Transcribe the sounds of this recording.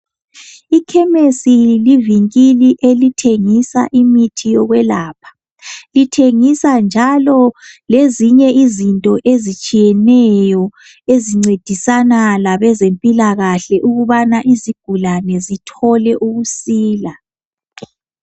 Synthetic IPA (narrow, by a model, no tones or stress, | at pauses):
ikʰɛmesiliviŋkʼiliʔelitʰeŋisa̰ʔimitʰijɔɣwɛlaːpʰḁ | litʰeŋisand͡ʒʱalɔleziɲɛʔizintʼɔʔezit͡ʃʼijɛnɛjɔ | eziŋ͡ǀed̥ʱisanalaβɛzempʼilaɣaɬɛʔuɣuβanaʔiziɡ̥ʱulanɛzitʰɔlɛʔuɣusiːla